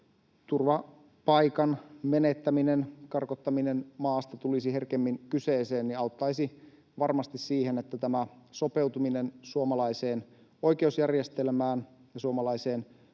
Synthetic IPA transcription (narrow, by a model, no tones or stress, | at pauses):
t̪urʋɑ | pɑikɑnme̞net̪ːæminenkɑrkot̪ːɑminenmɑːst̪ɑt̪ulisiɦerkemːiŋkyseːse̞ːnniɑut̪ːɑjsi | ʋɑrmɑst̪issiːhenet̪ːæt̪æmæso̞pe̞wt̪uminensuomɑlɑiseːn | o̞jk̟e̞usjærjest̪elmæːn | jɑsuomɑlɑise̞ːn